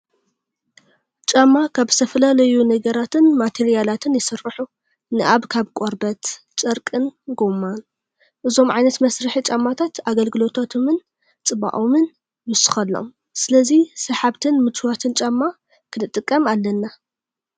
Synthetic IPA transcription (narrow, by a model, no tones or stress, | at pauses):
t͡ʃʼɐmːakʰaβst̪ʰɐfɐlalɐjunɐɡɐɾat̪ʰɨnmat̪ʰeɾijalat̪ʰɨnjɪsɨrːɨħu | nɨʔaβkʰaβkʼoɾbɐt̪ | t͡ʃʼɐɾkʼɨnɡomːan | ʔɨzo̞mʕajnɐt̪mɐsɾɨħit͡ʃʼɐmːat̪ʰat̪aɡɐlɡɨlo̞t̪ʰot̪ʰomɨn | t͡sʼɨβa̰ʔomɨn | mɨsɨ̥xɐlːo̰m | sɨlɐzisɐħaβt̪ʰɨnmɨt͡ʃwat̪ʰɨnt͡ʃʼɐmːa | kʰɨnɨt̪ʼːɨkʼːɐmalːɐnːa